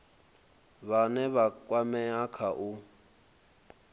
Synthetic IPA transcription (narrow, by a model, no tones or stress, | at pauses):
βanɛβakʼwamɛakʰaʔu